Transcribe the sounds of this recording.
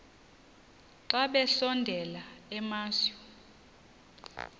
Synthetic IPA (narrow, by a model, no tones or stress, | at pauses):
ǀaɓɛɬɔndʱɛlaɛmaːsɔ